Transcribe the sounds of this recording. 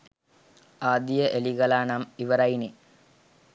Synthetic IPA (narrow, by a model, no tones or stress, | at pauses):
aːd̪ijəʔeliɡɐlaːnɐmiʋɐɾɐjini